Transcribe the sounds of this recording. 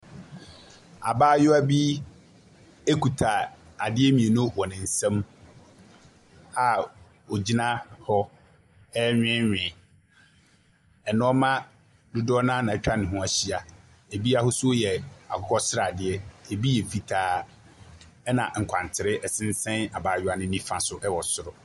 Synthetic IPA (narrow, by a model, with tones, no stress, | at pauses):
a̰˨baː˦jʊ˦æ˦bi˦ | e˦kʰu˨tʰa˨ | a˨dɪ˦ɛ˦mĩ˨e˨nʊ̃˦wɔ˨nɪ̃˨n̩˨sɛ̃˦m | a˦ | o˨d͡ʑi˦nã˦hɔ˦ | ɛ˦ɲᶣɪ̃˦ɲᶣɪ̃˨ | ɛ˨nʊ̃˦ɔ˦mã˦ | dʊ˦dɔ˦nã˦nã˨ɛ˨t͡ɕᶣa˦nɪ̃˨ɦʊ̃˦a˨ɕi˦a˨ | e˨bi˦a˦hʊ˦sʊ˦jɛ˨a̰˨kʰɔ˦kʰɔ˦sɪ˦ɾa˨a˨dɪ˨ɛ˦e˨bi˦jɛ˨fi˨tʰaː˨ | ɛ˦nã̰˨ŋ̩˨kʷʰã˨n˨tʰɪ˨ɾɪ˦ʔɛ˨sɪ̃˦n˦sɛ̃˦na˨baː˨jʊ˦a˨nɪ̃˦nĩ˦fã˨sʊ˦ʔɛ˦wɔ˨sʊ˨ɾʊ˨